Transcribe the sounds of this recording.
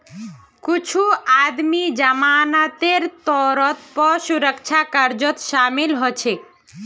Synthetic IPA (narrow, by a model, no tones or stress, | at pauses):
kʊt͡ʃʰuad̪mid͡ʒəmaːnat̪eɾt̪ɔːɾɔt̪pɔsuɾəkt͡ʃʰakəɾd͡ʒɔt̪ʃaːmilɦɔt͡ʃʰe